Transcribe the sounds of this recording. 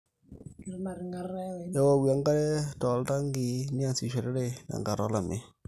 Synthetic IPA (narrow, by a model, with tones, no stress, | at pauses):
ja˦wa˨wi˨a˨ŋɡa˦ɾɛ˦tɔ˨lta˦ŋɡi˨ni˦a˦˨si˨ʃe˨ɾe˦ɾe˦˨na̰˨ŋɡa˨ɾɔ˦la˨me˦